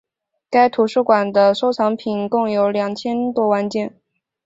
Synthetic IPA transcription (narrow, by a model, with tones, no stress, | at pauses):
ka˥ɪt̪ʰu˨˥ʂɻ̩˥˩kwa˨˩nd̪ə˦ʂo˥ʊt͡sʰɑ˧˥ŋpʰi˨˩nkʊ˥˩ŋjo˧˥ʊljɑ˨˩ŋt͡ɕʰjɛ˥nt̪wɔ˥wa˥˧nt͡ɕjɛ˥˩n